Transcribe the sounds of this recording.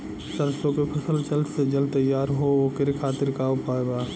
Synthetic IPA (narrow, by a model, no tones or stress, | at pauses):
səɾsõkepʰɐsəlt͡ʃəlsed͡ʒəlt̪ɐjːaːɾɦooːkɪɾekʰaːt̪ɪɾkaʊpaːebaː